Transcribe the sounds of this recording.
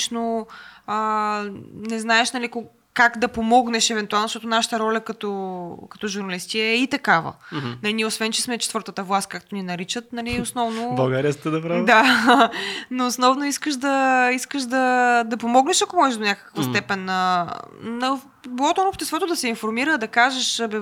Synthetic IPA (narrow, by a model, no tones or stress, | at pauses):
ʃno | ə | nɛznaɛʃnɐliko | kaɡd̪ɐpomɔɡnɛʃɛvɛnt̪ualˠnosʃt̪ɔt̪onaʃə̥t̪əɾɔlʲɐkɐt̪ɔkɐt̪ɔʒuɾnɐlist̪iɛɛit̪ɐkavə̰nɐliniɛosvɛnt͡ʃɛsmɛt͡ʃɛt̪vɤɾt̪ət̪əvlˠas̚kakt̪oninɐɾit͡ʃət̪̚nɐliosnɔvnobɐlˠɡaɾiəst̪ɛd̪ɐpɾad̪a | noːsnɔvnoiskəʃd̪ɐiskəʃd̪ɐd̪ɐpomɔɡnɛʃɐkomɔʒɛʒd̪onʲakə̥kvəst̪ɛpɛnə | nɐ | bilˠɔt̪oɾobʃt̪ɛst̪vɔt̪od̪ɐsɛinfoɾmiɾəːd̪ɐkaʒeʃbɛ